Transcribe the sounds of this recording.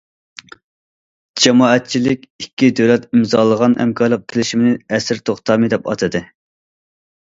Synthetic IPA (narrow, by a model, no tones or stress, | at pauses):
d͡ʒɛmɑːɛt̪̚t͡ʃʰilɪkʲikʲːid̪øwlɛt̪imzɑːlˠəʁɑnhɛ̰mkʰɑɾlˠəq̚t̪ʰɪlɪʃimɪnɪɛsɾt̪ʰoχt̪ʰɑːmɨd̪ɛpɑ̰t̪ʰɨd̪ɨ